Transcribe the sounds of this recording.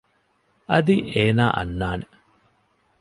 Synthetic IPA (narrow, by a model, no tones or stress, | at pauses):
ɐðiʔeːnaːʔɐ̰nːaːnɨ